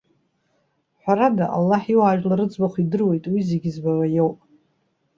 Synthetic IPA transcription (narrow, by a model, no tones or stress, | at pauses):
ħʷaɾadaʔa̰lːaħiwaʒᶣlaɾɨd͡zbaχʷidɨrwe̞jtʼwizeɡʲɪzbawajowpʼ